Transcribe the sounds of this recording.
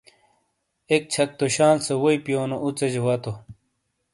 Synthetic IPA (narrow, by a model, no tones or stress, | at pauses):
ek̚t͡ɕʰɐk̚t̪oɕaːnsewoipijoːnoʔut͡sed͡ʑewat̪o